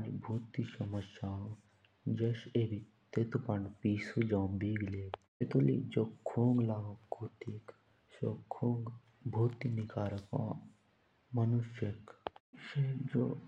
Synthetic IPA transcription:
d͡ʒbʱuːt̪iʃɐmɐʃaːõ | d͡ʒeʃeːbi | t̪et̪upɐɳpiːsud͡ʒãũbiːɡleːk | et̪ulḭd͡ʒoːkʰũːŋɡlaːɡokʰuːt̪ik | sokʰuːŋɡ | bʱuːt̪inikaːɾɐkõ̰ː | mɐnuʃeksed͡ʒo̰ː

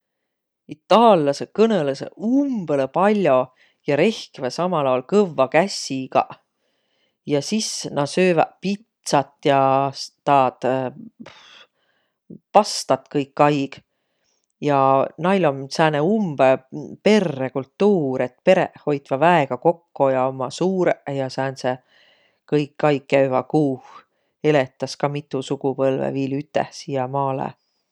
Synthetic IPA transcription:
it̪ːˑɑːljːɑsekɤnelesḛumb̥elepɑlʲːjo̞ | jɑɾe̞hkivesɑmɑlɑwlkɤvːɑkæsʲiɡ̥ɑ̰ | jɑsisnɑsøːvɑ̰pit̪sɑt̪ːˑjɑst̪ɑːt̪ | pɑst̪ɑt̪kɤjkːɑjɡ̥ | jɑnɑjlomsæːneumb̥epe̞rːekult̪ːuːɾet̪pe̞ɾeʔho̞jt̪vɑvæeɡ̥ɑko̞kːojɑomːɑsuːɾeʔjɑsæːnse | kɤjkːɑjɡːæyvɑkuːh | e̞let̪ˑːɑskɑmit̪ːˑusuɡ̥upɤlvḛviːlyt̪ːˑḛhsiːjɑmɑːlḛ

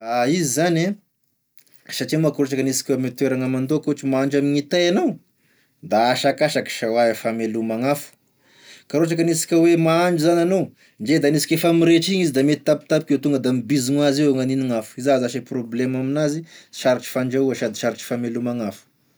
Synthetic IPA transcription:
aizizane | saʈ͡ʂimakɾoʈ͡ʂakənisi̥kʲwemet̪weɾaŋamand̪okoɦʈ͡ʂimaaɳd͡ʒamiɲit̪ejanow | d̪aːʃakaʃaki̥ʃawaefamelumaŋafu̥ | kaɾoʈ͡ʂakənisi̥kʲəwemaaɳd͡ʒuzananow | nd͡ʒed̪anisi̥kefamiɾeʈ͡ʂiɲizid̪amet̪i̥t̪api̥t̪ap̚i̥kʲewt̪uŋɡəd̪amibiziŋuazieŋaniniŋafu̥izazaʃeproblemaminaziʃaɾiʈ͡ʂi̥faɳd͡ʒauaʃad̪iʃaɾiʈ͡ʂi̥famelumaŋafu̥

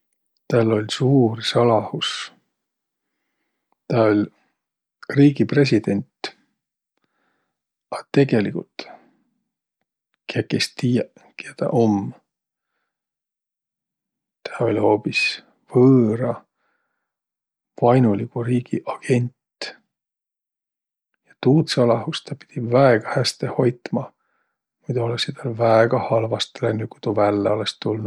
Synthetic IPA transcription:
t̪æːlːo̞lʲsuːrsɑlɑhus | t̪ɑo̞lʲ | riːɡipre̞s̬ʲid̪̥e̞nʲt̪ | ɑt̪e̞ɡ̥e̞likult̪ | kekːest̪ijæ | kɑt̪ɑ̰ʔo̞m | t̪ʰæo̞lʲho̞ːpis | v̥ɤːɾɑ | v̥ɑjnulikuɾiːɡ̥iʔɑɡ̥e̞nʲt̪ | jɑ̥t̪uːt̪sɑlɑɦust̪ɑpi̥d̪̥ivæeɡ̥ɑhæst̪eho̞jt̪ˑmɑ | mujd̪olesit̪ɑlvæeɡ̥ɑhɑlvɑst̪lænːikut̪uvælːeolest̪ulnu̥

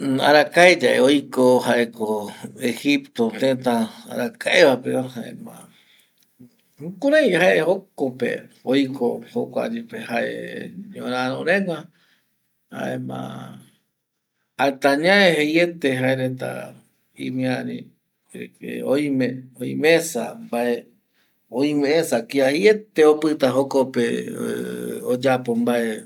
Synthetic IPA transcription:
a̰ɾakaed͡ʒaʔeojkohaʔekoehipt̪ot̪et̪aa̰ɾakʰaeβapeahaʔḛmã̰ | kuɾãj̃ɦaʔehokopḛojkohokʷa̰d͡ʒepehaʔḛɲõɾãɾõɾẽŋa | ha̰emã̰ | at̪aɲãehejet̪eɦaeɾet̪a̰ | ḭmĩaɾḭ | ḛojmẽoĩmesa̰mbaʔe | oj̃mẽʔẽsakiahejet̪eopɨt̪aɦokope | od͡ʒapombaʔe

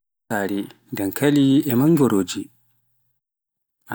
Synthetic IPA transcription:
aːɾiŋɡamkʰaliɛmaŋɡɔɾoːd͡ʒi | ʔa

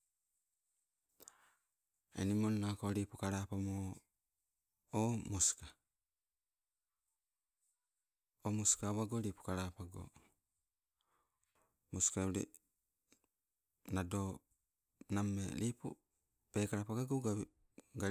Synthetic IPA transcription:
ḛnimonːakoɾipukaɾapamo | moska | omoskaβaɡoɾipu̥kaɾapaɡo̰ | moskauɾḛ | nado | namːḛɾipṵ | pekaɾapaɡaɡoɡa | ɡa

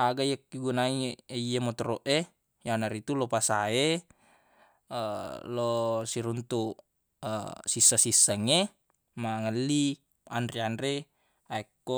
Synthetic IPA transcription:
aɡaiakːiɡunaieijamot̪ɔɾɔʔe | janaɾit̪ulopasae | əlosiɾunt̪u | ə̰sisːasisːaŋe | maŋəlːi | andriandɾe | aɛkːo

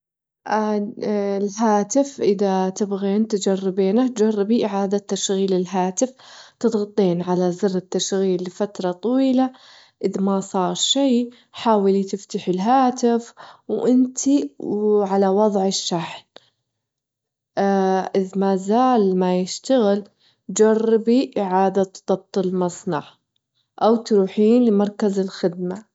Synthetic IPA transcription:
ʔa | ɪlɦaːt̪ɪfʔɪðat̪ɪbɣeːnt̪d͡ʒarːɪbeːnat̪d͡ʒarˤːɪbiʔɪʕaːd̪at̪ːaʃɣiːlɪlɦaːt̪ɪft̪ɨt̪ˤɣɑt̪ˤːeːnʕalazɪrːɪt̪ːaʃɣiːlːɪfat̪ɾˤɑt̪ˤɑwiːla | ʔɪðmasˤɑːɾˤʃij | ħaːwɪlit̪ɪft̪aħɪlɦaːt̪ɪfwʔɪnt̪ʰi | ʕalawɑðˤʕɪʃːaħl | ʔɪðmazaːlmajɪʃt̪aɣɪl | d͡ʒarˤːbiʔɪʕaːd̪at̪ðˤɑb̚t̪ˤɨlmɑsˤnɑʕ | ʔawt̪ɾuːħiːnlɪmɑɾˤkazɪlxɪd̪̚ma

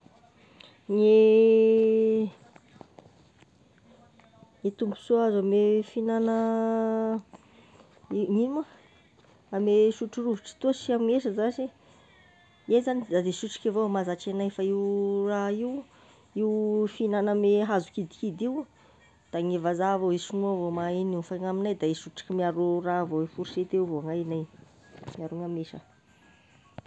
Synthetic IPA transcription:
ŋe | ŋet̪umpu̥suazamefinanə | iŋima | ameʃuʈ͡ʂuruviʈ͡ʂi̥t̪uəʃiamieʃəzaʃi | ejzanid̪ad̪eʃuʈ͡ʂḁkʲavomazaʈ͡ʂenajfaiwraiw | iwfinanəmeɦazukid̪i̥kid̪iu | d̪̥aŋevazavoeʃunuavomainiufaŋaminajd̪aeʃuʈ͡ʂḁkəmiaɾuravowefuɾʃet̪ewvoaŋajnaj | miaɾuŋameʃə

